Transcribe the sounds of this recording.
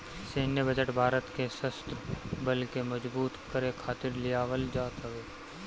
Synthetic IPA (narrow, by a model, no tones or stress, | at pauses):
seːnjəbɐd͡ʒəʈbʱaːɾət̪keʃəst̪ɾəbɐlkemɐd͡ʒbuːt̪kɐɾekʰaːt̪ɪɾlɪjaːʋəld͡ʒaːt̪ɦɐʋeː